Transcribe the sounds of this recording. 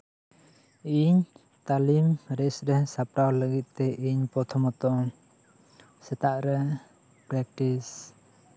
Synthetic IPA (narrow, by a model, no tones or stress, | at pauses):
ʔiɲ | t̪alimɾɛsɾɛsapɾawləɡit̪̚t̪ɛʔiɲpɔt̪ʰɔmɔt̪ɔŋ | sət̪aʔɾə | pɾɛk̚ʈis